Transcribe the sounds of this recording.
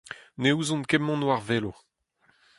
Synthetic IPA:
neuzɔ̃nkɛmːɔ̃nwaʁveːlo

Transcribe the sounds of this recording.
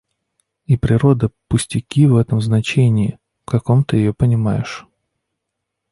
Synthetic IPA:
ipɾʲɪɾo̞d̪əpʊsʲtʲɪkʲivɛt̪əmznɐt͡ɕenʲɪɪ | fkɐko̞mt̪ɨjɪjopənʲɪmajɪ̰ʂ

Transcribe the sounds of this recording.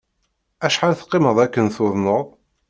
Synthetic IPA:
æʃħanθə̥qːɪməðˤækːənθʊðˤnəðˤ

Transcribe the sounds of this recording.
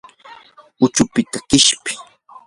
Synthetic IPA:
ʊt͡ʃʊpɪt̪akɪʃpɪ̥

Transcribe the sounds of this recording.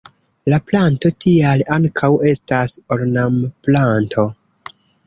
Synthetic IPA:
laplanto̞tialaŋkʰawe̞stasoɾnamplantʰo̞

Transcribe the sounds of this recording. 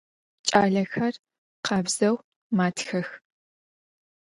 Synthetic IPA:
t͡ʃʼaːɮɐxɐr | qɐbz̥ɐw | maːtʰxɐx

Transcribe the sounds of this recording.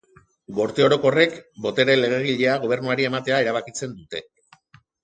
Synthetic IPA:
ɡo̞ɾt̪eo̞ɾo̞ko̞re̞kbo̞t̪e̞ɾe̞le̞ɣeɣ̞iʎeaɣ̞o̞β̞e̞ɾnuaɾie̞mat̪e̞ae̞ɾaβ̞akit͡se̞nd̪ut̪e̞

